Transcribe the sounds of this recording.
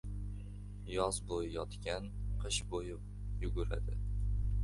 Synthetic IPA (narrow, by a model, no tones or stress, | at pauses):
jɒzbojjɒt̪kʲanqʰɨʃbojɪp̚ | jʊɡʊɾa̰d̪ɪ